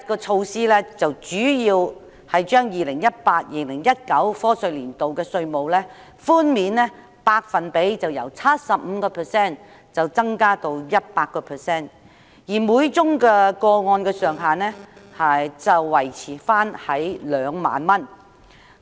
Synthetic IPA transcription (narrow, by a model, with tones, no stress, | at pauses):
kɔː˧t͡ʃʰo˧wsiː˥lɛː˥t͡sɐ˨wt͡ʃyː˨˥jiː˧w | hɐ˨jt͡ʃœː˥ŋjiː˨lɪ˨˩ŋjɐ˥t̚paː˧t̚jiː˨˩lɪ˨˩ŋjɐ˥t̚kɐ˨˥wfɔː˥sɵ˧ɥliː˨˩nt̪o˨wkɛː˧sɵ˧ɥmo˨wlɛː˥ | fuː˥nmiː˨nɛ˥ | paː˧k̚fɐ˨npe˨˥jt͡sɐ˨wjɐ̰˨˩wt͡sʰɐ˥t̚sɐ˨p̚m̩˨˧kɔː˧pʰɛː˨sɛː˥˩n | t͡sɐ˨wt͡sɐ˥ŋkaː˥t̪o˧wjɐ˥t̚paː˧kːɔː˧pʰɛː˨˩sɛː˥˩n | jiː˨˩muː˨˥jt͡sʊ˥ŋkɛː˧kɔː˧ŋɔː˧nkɛː˧sœː˨ŋɦaː˨nɛː˥ha˨t͡sɐ˨wːɐ˨˩jt͡sʰiː˨˩faː˥nhɐ˨˥jlœː˨˧ŋma̰ː˨nmɐ˥n